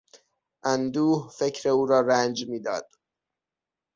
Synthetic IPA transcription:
ʔænd̪uːhfe̞kcʰɾe̞uːɾɒːɾænd͡ʒmiːd̪ɒ̰ːd̪̥

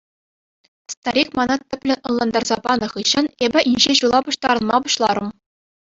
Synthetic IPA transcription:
st̪ɑɾʲikmɑnɑt̪ʲːɘ̆pʲlʲɘ̆nʲɤ̆nlˠɑnd̪ɑrzɑpɑnɤ̆χɯɕːɤ̆nebʲɘ̆ʔinʲʑeʑulˠɑbuɕt̪ɑɾɤ̆nmɑbuɕlˠɑɾɤ̆m

